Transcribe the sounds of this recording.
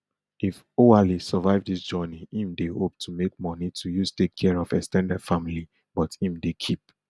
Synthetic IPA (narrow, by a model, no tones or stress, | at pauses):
if | oalisəvaɪvdisd͡ʒɔniĩmdehop̚tʰumek̚mɔnitʰujustekʰːɛɹɔvɛstɛ̃ndɛd̥famili | b̥ɔthĩmdekʰip̚